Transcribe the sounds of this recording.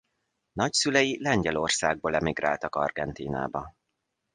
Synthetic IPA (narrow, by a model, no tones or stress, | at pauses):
nɒcsylɛjilɛɲɟɛlo̞rsaːɡ̚boːlɛmiɡra̰ːlt̪ɒkɒ̰rɡɛnt̪iːna̰ːbɒ